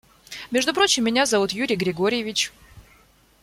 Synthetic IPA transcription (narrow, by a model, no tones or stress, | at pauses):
mʲeʐd̪ʊpɾot͡ɕɪmːʲɪnʲazɐvut̪juɾʲɪjɡɾʲɪɡoɾʲɪjɪvʲɪt͡ɕ